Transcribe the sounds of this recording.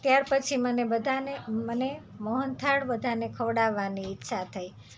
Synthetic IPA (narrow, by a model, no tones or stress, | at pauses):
t̪jaɾpət͡ʃʰimənebəd̪ʱaneməne | mɔɦənt̪ʰaɽbəd̪ʱanekʰəʋɽaʋːaniːtːʃʰat̪ʰəi